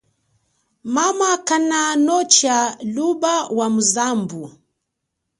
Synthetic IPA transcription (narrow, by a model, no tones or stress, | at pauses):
mamakananɔt͡ʃalubawamuzambu